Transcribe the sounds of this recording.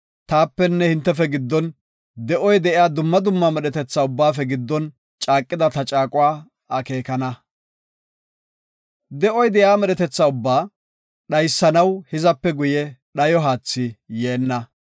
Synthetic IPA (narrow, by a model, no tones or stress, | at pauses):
t̪aːpːɛnːɛhɪnt̪ːɛfɛɡɪd̪ːɔn | d̪ɛʔɔjd̪ɛʔɪjaːd̪ʊmːɐd̪ʊmːɐmɛɗɛt̪ɛt͡sːaʊbːaːfɛɡɪd̪ːɔn | t͡ʃʼaːkʼːɪd̪ɐt̪ɐt͡ʃʼaːkʼʊwaː | ɐke̞ːkɐnɐ | d̪ɛʔɔjd̪ɛjaːmɛɗɛt̪ɛt͡sːaʊbːaː | ɗɐjsːɐnɐwhɪzɐpːɛɡʊjɛɗɐjɔɦaːt͡sːɪjeːnːɐ